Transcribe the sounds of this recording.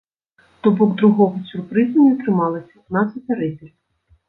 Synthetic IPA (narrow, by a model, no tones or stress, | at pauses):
t̪ɔbɔɡd̪ɾʊɦɔɦɔsʲʊrpɾɪzɐnʲit̪ɾɪmɑlˠɪsʲitnɑt͡s̪ʲɐt̪ɐɾɪtʲilʲ